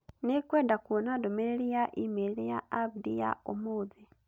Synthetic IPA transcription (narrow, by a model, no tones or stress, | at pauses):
nikwɛːndakuɔnadomɛɾɛɾijaʔimelijaabdija̰omoːd͡zi